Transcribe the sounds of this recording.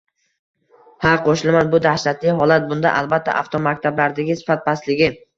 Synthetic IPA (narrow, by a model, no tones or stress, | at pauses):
haqʰoʃɪlmanbʊd̪ahʃat̪lɪɦɒlat̪̚bʊnd̪a̰ʔalˠbat̪ʰːa̰ʔa̰ft̪ʰomak̚ʲt̪ʰablaɾd̪aɡʲɪsɪ̥fat̪̚baslɪɡʲɪ